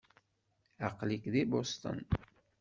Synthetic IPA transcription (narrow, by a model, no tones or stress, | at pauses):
aqlikðibost̪ə̰n